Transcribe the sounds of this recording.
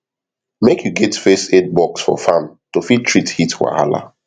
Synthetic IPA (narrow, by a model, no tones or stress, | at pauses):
mekjuɡɛtfeset̚bɔksfɔ̰fãmtofid̚tʰɹithitwa̰a̰la̰